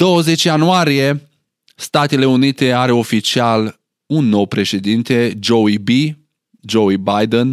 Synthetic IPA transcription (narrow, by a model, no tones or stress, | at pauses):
d̪̥o̞wəze̞t͡ʃjanuaɾije̞ | st̪at̪e̞le̞unit̪e̞aɾe̞o̞fit͡ʃial | unːo̞wpɾe̞ʃe̞d̪int̪e̞d͡ʒo̞wibi | d͡ʒowibajd̪en